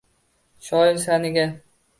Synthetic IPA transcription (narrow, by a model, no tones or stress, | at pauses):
ʃɒjɪls̬anɪɡʲa